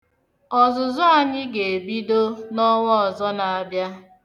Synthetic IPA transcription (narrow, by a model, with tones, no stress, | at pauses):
ɔ˨zʊ˨zʊ˦a˨ɲɪ˦ɡe˨bi˦do˦nɔ˦ŋʷɔ˦ɔ˨zɔ˦na˨a˨bja˦